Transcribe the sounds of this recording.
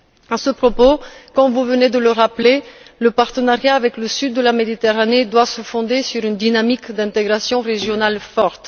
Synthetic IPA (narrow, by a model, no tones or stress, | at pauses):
asəpχopokɑ̃vuvəned̪ələʁapleləpaʁt̪ənaʁjaːvɛkləsyd̪ːəlamed̪it̪eʁaned̪wasəfɔ̃d̪esyʁynd̪inamikd̪ɛ̃t̪eɡʁasjɔ̃ʁeʒjɔnalfɔʁt̪